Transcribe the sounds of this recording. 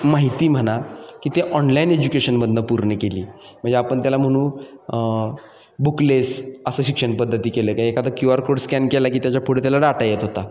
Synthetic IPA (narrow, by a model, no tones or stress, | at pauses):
maɦit̪iːm̤əɽakiːt̪eʔɔnlained͡ʑukeɕənməd̪ʱnəpuɾɳəkeliː | m̤ə̃ɳd͡zd͡ʑeapəɳt̪jalam̤əɽ̃ũː | buklesəsəːɕikʂəɳpəd̪ʱːət̪iːkeləːkaekʰat̪əkjuaɾkoɽskɛnkelakiːt̪jat͡ɕjapʰoɽt̪jalaɽaʈajet̪ɦot̪a